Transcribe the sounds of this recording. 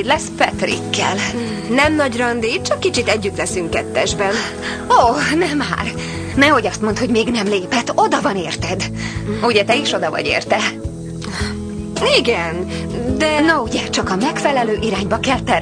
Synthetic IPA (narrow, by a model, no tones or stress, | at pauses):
d̪lɛspɛt̪rḭkːɛ̰l | nɛmnɒɟrɒnd̪iːt̪̚t͡ʃɒkːit͡ʃit̪ɛɟːyt̪lɛsyŋkːɛt̪ːɛʒbɛn | oːnɛma̰ːr | nɛho̞ɟɒst̪mo̞nt̪ho̞ɟmeːɡnɛmleːpɛt̪od̪ɒvɒneːrt̪ɛd̪ | uɟɛt̪ɛiʃo̞d̪ɒvɒ̰ɟḛːrt̪ɛ | iɡɛnd̪ɛnɒuɟɛt͡ʃɒkɒmɛkfɛlɛløːʔiɾaːɲbɒkɛlt̪ɛr